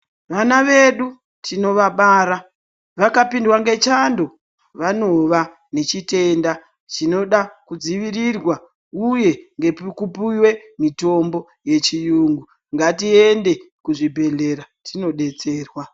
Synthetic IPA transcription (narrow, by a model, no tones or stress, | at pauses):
ʋanaʋe̞ɗu | tino̞ʋaɓaːɾa | ʋakapindwaŋɡe̞t͡ʃando̞ | ʋano̞ʋa | ne̞t͡ʃite̞nda | t͡ʃino̞ɗakud͡ziʋirirwa | uje̞ŋɡe̞pkupuwe̞mito̞mbo̞ | je̞t͡ʃijuːŋɡu | ŋɡatiende̞ | kuʐibʱe̞ɮe̞ɾatʰino̞ɗe̞t͡se̞ːrwa